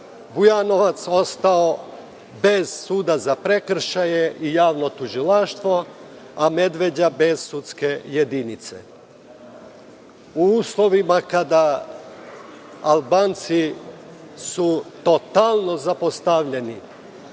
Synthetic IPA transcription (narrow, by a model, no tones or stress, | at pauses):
bujano̞ʋat̪so̞st̪ao | be̞zsuːd̪azapɾe̞kr̩ʃajeʔijaːʋno̞t̪uʒilaʃt̪ʋo̞ | ame̞d̪ʋe̞d͡ʑabe̞zsut̪ske̞je̞d̪init̪sḛ | uuːslˠo̞ʋimakad̪a | albaːnt̪si | sut̪o̞t̪alˠno̞zapost̪aʋʎe̞ni